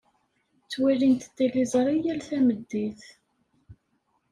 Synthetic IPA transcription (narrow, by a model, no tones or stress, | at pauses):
t͡sːwilint̪ət̪ːilizˤɾˤijælθæməd̪ːiθ